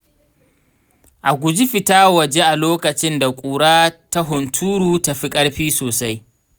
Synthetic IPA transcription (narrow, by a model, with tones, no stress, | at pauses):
ʔa˨ɡʷʊ˨d͡ʒi˦ɸɪ˨taː˦wɐ˨d͡ʒe˦ʔa˨loː˦kɐ˨t͡ʃɪ˦nda˨kʷʼuː˨ɽaː˦ta˦ɦʊ˨ntʰuː˦ɾuː˨ta˦ɸi˦kʼɐ˦ɽɸiː˦soː˨sa˦j